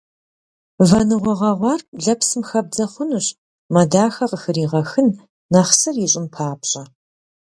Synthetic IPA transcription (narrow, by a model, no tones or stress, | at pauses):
vɐnɨʁʷɔʁɐʁʷɑrɮɐpsɨmxɐb̚d͡zɐχʷʊnɨɕ | mɐdaːxɐqəxɨɾiːʁɐxɨnː | ɐχsɨrjɪɕʼɪmpʰaːpɕʼɐ